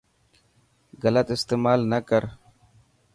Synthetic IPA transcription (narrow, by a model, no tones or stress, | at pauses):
ɣɐlət̪ɪst̪eːmaːlnɐkəɾ